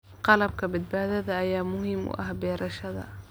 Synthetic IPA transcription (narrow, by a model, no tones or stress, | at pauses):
qɑlɑb̚kabɪt̪̚bad̪ad̪aʔajaːmʊhimːw̰ʔa̰hbiːɾˤʔɑʃad̪a̰